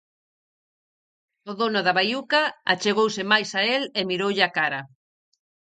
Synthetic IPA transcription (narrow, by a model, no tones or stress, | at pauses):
oðonʊðɐβajukaa̰t͡ʃeɣowsɪmajsaelemiɾowʎɪakaɾɐ